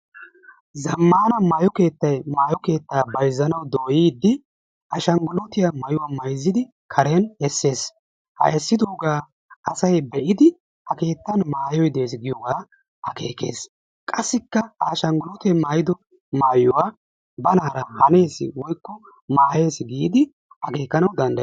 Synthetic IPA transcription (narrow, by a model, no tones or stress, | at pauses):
zɐmːaːnɐmɐjɔke̞ːt̪ːɐjmaːjɔke̞ːt̪ːaːbɐjzːɐnɐwd̪oːjiːd̪ːɪ | ʔɐʃɐŋɡʊlɔt̪ɪjɐmɐjʊwɐmɐjzːɪd̪ɪ | kʰɐɾenɛsːe̞ːs | hɐ̰ʔɛsːɪd̪oːɡaː | ɐsɐjbɛʔɪd̪ɪ | hɐke̞ːt̪ːɐnmaːjɔjd̪e̞ːsɡɪjɔɡaː | hɐke̞̰ːke̞̰ːs | kʼɐsːɪkːɐaʃɐŋɡʊlɔt̪ɛmaːjɪd̪ɔ | maːjʊwa | bɐnaːɾɐhɐne̞ːsɪ̰wɔjkːɔ | maːje̞ːsɪɡiːd̪ɪ | ɐke̞ːkːɐnɐwd̪ɐnd̪ɐ